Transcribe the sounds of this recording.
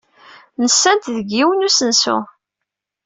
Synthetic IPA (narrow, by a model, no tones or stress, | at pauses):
nəsːænt̪ðəɡːiwənusənsʊ̰